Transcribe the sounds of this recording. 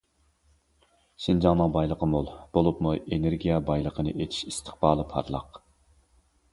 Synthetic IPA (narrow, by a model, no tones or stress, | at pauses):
ʃɪnd͡ʒɑŋnɨŋbɑjlˠəqʰəmulˠb̥olˠupmuʔeneɾɡʲijɛbɑjlˠəqʰənɨ̰ʔet̪ʰi̥ʃist̪ʰə̥χbɑːlˠɨpʰɑ̰ɾlˠɑ̰q